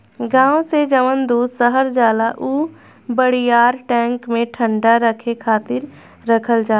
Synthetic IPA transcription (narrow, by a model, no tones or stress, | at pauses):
ɡãːõsed͡ʒəʋənd̪uːd̪səɦəɾd͡ʒaːlaʔuː | bəɽijaːɾʈɛ̃ːŋkmẽʈʰə̃ɳɖaɾəkʰekʰaːt̪ɪɾː | əkʰəld͡ʒaː